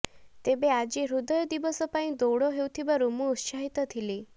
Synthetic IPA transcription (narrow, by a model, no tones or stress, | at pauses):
t̪ebead͡ʒiɾud̪ɔjɔd̪ibɔsɔpaĩd̪owɽɔɦewt̪ʰibaɾumuut̪saɦit̪ɔt̪ʰili